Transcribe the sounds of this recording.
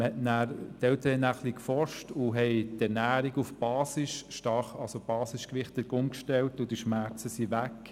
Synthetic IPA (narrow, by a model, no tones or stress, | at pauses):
əhɛtnæːɾtɛlt̪əɾəɛnæːχlikfɔɾʃtʊɦɛɪtɛɾnæːɾiɡufb̥ɑːsɪsʃtɑχɑlsob̥ɑːsɪskʋɪχt̚d̥əɾɡ̥ʊŋkʃtɛltʊd̥iʃmæɾt͡səsiʋæk